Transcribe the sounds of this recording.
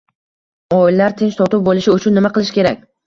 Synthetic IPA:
ɒɪlːaɾt̪ʰent͡ʃt̪ʰɒt̪ʊp̚bolˠɪʃɪʊt͡ʃʰʊnːɪmaqɨlˠɪʃkʲʰe̞ɾakʲ

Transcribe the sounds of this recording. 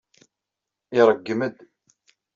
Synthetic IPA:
ɪɾˤəɡːəməd̪

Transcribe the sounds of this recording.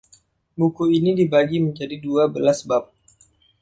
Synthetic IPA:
mukuinidibaɡiməɲd͡ʒadiduabəlasbap̚

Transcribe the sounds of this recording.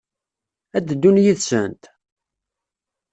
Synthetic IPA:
æd̪d̪ːunjiðsə̰nt̪

